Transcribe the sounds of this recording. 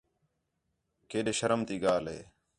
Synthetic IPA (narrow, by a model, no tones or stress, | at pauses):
keːɗeːʃəɾəmt̪iːɡaːlɦḛː